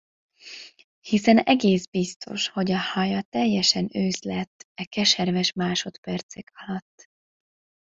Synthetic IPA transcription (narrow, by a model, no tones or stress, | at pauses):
hisɛnɛ̰ɡeːzbist̪ʰo̞̰ʃho̞ɟɒhɒjɒt̪ɛjːɛʃɛnøːzlɛt̪ːɛkɛʃɛrvɛʃmaːʃo̞t̪pɛrt̪sɛkɒlɒt̪ː